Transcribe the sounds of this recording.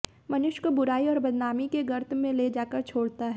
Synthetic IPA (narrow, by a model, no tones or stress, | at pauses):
mɐnʊʃkobʊɾaːiɔːɾbɐd̪naːmikeɡɐɾt̪ʰmẽled͡ʒaːkəɾt͡ʃʰoːɽt̪aɦɛː